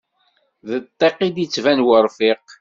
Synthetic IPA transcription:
ðət̪ˤːeqːid̪jit͡sːvænwəɾˤfɪq

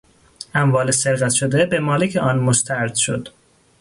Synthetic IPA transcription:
æmvɒːlese̞ɾɣæt̪ʃod̪e̞bemɒːlecʰeʔɒːnmost̪ʰæɾd̪̥ʃo̰d̪̥

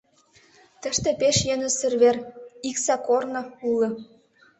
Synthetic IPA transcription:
t̪ə̆ʃt̪ĕpeʃjenə̆sə̆rβeriksɑkornɤ̆ulɤ̆

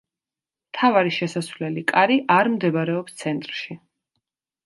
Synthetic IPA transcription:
mt̪ʰavaɾiʃɛsasvlɛlikʼaɾiʔaɾmd̪ɛbaɾɛɔpst̪sʰɛnt̪ʼɾʃi

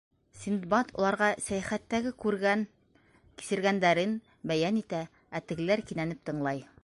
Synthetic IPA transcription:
sʲind̪bɑt̪ʰŏ̰lˠɑɾʁɑsæjæχæt̪ːæɡɘkʉɾɡæn | ki̥sɘ̆ɾɡænd̪æɾɘn | bæjænit̪æ | æt̪ɘ̆ɡ̆læɾkinænɘp̚t̪ɤ̆ɴlˠɑj

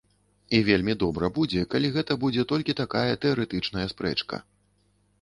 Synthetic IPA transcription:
ivʲelʲmʲid̪ɔbɾɐbud͡zʲɛkalʲiɣɛt̪ɐbud͡zʲɛt̪ɔlʲkʲit̪akajɐt̪ɛɐɾɛt̪ɨt͡ʂn̪ɐjɐspɾɛ̰t͡ʂkɐ̰

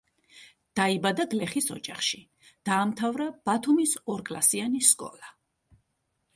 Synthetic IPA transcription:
d̪̥aibad̪aɡlɛχisɔ̰d͡ʒaχʃi | d̪̥aːmt̪ʰavɾab̥at̪ʰumisɔɾkʼla̰sianiskʼɔ̰la

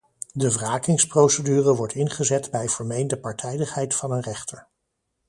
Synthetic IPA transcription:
dəvraːkɪŋsprowsədyːrəʋɔɹtɪnχəzɛtbɛjvəɹmejndəpɑɹtʰɛjdəχɦɛjtfɑnənrɛχtəɹ

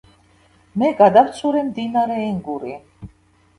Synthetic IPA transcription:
mɛɡad̪aɾt̪sʰuɾɛmd̪inaɾɛːŋɡuɾi

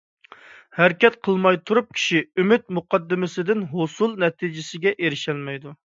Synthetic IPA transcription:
hæɾkʲɛt̪qʰəlˠmɑjt̪ʰuɾup̚kʲʰi̥ʃiymɪt̪̚muqɑd̪ːɪmɪsɪd̪ɪnɦosulˠnɛt̪ʰid͡ʒɪsɪɡʲɛʔeɾɪʃɛlmɛjd̪u

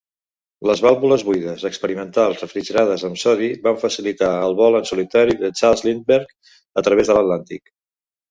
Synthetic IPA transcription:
ləzβalˠβuləzβujðəzəkspəɾimənt̪alˠzrəfɾiʒəɾaðəzəmsɔðiβaɱfəsilit̪aəlˠβɔlənsulit̪aɾiðət͡ʃalˠzlinbəɾk | ət̪ɾəβ̞ezðələt̪lant̪ik

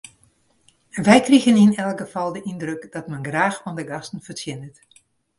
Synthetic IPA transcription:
ʋɛjkriɣəninɛlˠɡəfɑlˠdəʔindrøkd̥ɔtmɛnɡraːxfɔndəɡɑstən̩fərsjɪnət

